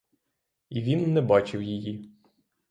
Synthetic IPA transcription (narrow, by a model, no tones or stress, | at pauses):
iʋʲinːɛbat͡ʃɪwjeji